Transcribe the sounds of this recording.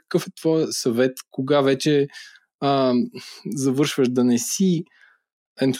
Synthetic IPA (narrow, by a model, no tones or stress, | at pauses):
kkɤfɛt̪vɔjɐsɐvɛt̪koɡavɛt͡ʃɛ | ə | zɐvɤɾʃvəʃd̪ɐnɛsi | ɛn